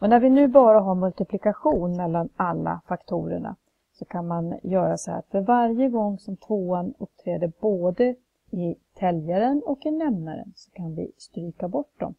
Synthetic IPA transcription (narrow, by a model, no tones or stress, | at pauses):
ɔnæɾvɪnʉ̟ːbɑːɾaɦaɾmɵlt̪ɪpʰlɪkaɧuːnmɛlːanalːa̰fakt̪ʰuːɾə̰ɳa̰ | sɔkʰanmanjœːɾasɛhæ̰t̪fœɾvaɾjəɡɔŋːsɔmt̪ʰvoːanɵp̚ːt̪ʰɾeːd̪əboːd̪ə | ɪt̪ʰɛljaɾənɔkɪnɛmnaɾə̰nsɔ̥kʰanvɪ̰st̪ɾyːkabɔʈd̪ɔ̰m